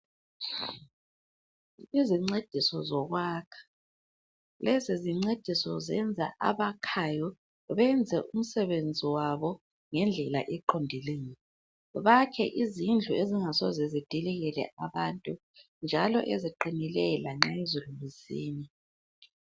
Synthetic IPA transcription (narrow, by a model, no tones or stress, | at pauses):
iziŋ͡ǀed̥ʱisɔzɔɣwaːkʰḁ | lɛziziŋ͡ǀed̥ʱisɔzɛ̰nd͡zʱa̰ʔa̰βakʰajɔ | βɛnd͡zʱɛʔum̩sɛβend͡zʱiwaβɔ | ŋɛnd͡ɮʱɛla̰ʔɛǃʰondʱileːŋi | βakʰɛ̰ʔizind͡ɮʱueziŋasɔzɛzid̥ʱilɛɣɛlɛ̰ʔaβantʼu | nd͡ʒʱalɔ̰ʔeziǃinilɛlaŋ͡ǁaezulumisḭːni